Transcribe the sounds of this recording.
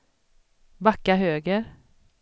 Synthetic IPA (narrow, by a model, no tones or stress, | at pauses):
bɑkahøːɡəɾ